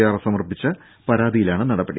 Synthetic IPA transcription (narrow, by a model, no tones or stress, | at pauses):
jaːrsɐmɐrpit͡ɕːɐ | pɐɾaːðijilaːɳɨnɐɽɐbːeɽḭ